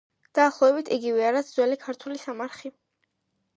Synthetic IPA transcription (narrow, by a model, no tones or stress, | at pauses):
d̪̥aːχlˠɔɛbit̪ʰiɡivɛaɾad̪zwɛlikʰaɾt̪ʰulisamaɾχi